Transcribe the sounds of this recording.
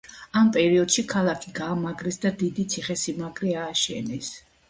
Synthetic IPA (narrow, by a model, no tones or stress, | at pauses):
ampʼɛɾiɔd̪̥ʃikʰalˠakʰiɡaːmaɡɾɛsd̪ad̪id̪it̪sʰiχɛsimaɡɾiaːʃɛ̰nɛs